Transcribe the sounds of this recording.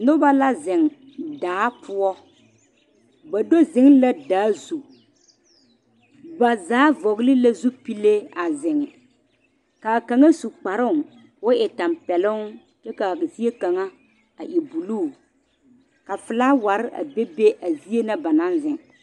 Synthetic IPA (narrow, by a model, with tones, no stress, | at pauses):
nʊ˦ba˦la˦zɪ˨ŋ | daː˨˦pʰʊ˦ɔ˦ | ba˨do˦zɪ˦ŋla˦daː˨˦zu˨ | ba˨zaː˨˦vɔ˨ɣlɪ˦la˦zu˦pi˦le˦a˨zɪ˨ŋɪ˨ | ka˨ka˨ŋa˦su˨k͡pa˨ɾʊ˦˨ŋ | wʊ˦ʔɪ˨ta˨mpɛ˨lʊ˦ŋ | t͡ʃɛ˦ka˨zi˦e˦ka˨ŋa˦ | a̰˨ʔi˨bu˨luː˦˨ | ka˨fɪ˨la˦wa˨ɾɪ˦ʔa̰˨be˦be˦ʔa˨zi˦e˦na˦ba˨nã˦nzɪ˨ŋ